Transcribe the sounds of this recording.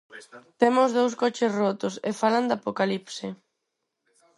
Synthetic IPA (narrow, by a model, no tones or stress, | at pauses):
t̪emozðowskɔt͡ʃɪsrɔt̪ʊsefaland̪apokalipsɪ